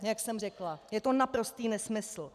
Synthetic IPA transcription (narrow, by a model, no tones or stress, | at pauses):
jaksɛmrɛklajɛt̪o̞napɾo̞st̪iːnɛsmɪsl̩